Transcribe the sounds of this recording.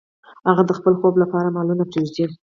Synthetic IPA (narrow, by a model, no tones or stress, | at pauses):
haɣad̪əxpəlxoblapɑɾamɑlunapeʒd̪i